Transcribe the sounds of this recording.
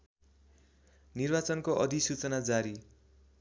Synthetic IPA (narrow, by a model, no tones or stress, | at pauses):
nirbat͡sʌnkoʔʌd̪ʱisut͡sʌnad͡zaɾi